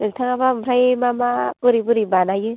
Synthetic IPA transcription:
nɯktʰaŋabamɾajmamabɯɾibɯɾibanajɯ

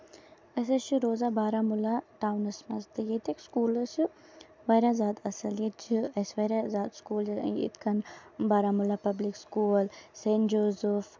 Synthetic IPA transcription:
ɐs̬ɐʃiɾoːzabaːɾamʊlaʈaːwnɐsmɐst̪ɨjet̪ekskuːlɐsu | ʋɐːɾʲazaːd̪ɐsɐljet̪t͡ʃʰiɐsʋɐɾazaːd̪skuːl̰ḭt̪ʰkɐnbaːɾaːmʊlapɐblikskuːlseːnd͡ʒoːzuf

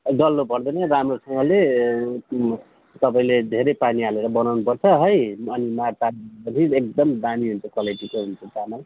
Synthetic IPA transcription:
ɡʌlːopʌrd̪ʌnʌramrosʌŋɡʌle | t̪ʌpaĩled̪ʱeɾʌjpaniɦaleɾʌbʌnawnupʌrt͡sʰʌɦʌjʌnimart̪aʌnʰiek̚d̪ʌmd̪amiɦunt͡sʰʌkʌlajʈikoɦunt͡sʰot̪ama

